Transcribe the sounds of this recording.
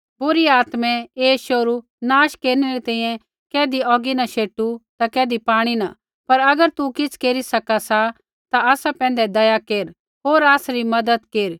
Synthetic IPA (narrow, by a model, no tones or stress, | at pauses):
bʊɾiaːt̪mɛ̃eːʃoɾu | naːʃkeːɾnɛɾet̪ɛ̃ːĩjɛ̃ | kɛːd̪iɔːɡinɐʃeːʈut̪akɛːd̪ipaːɽ̃ina | pɐɾɐɡəɾt̪ukɪt͡sʰkeːɾisɐkasa | t̪aaːsapɛ̃ːn̆d̪ɛd̪ɐjakeːɾ | ɦoːɾaːsɾimɐd̪əd̪keːɾ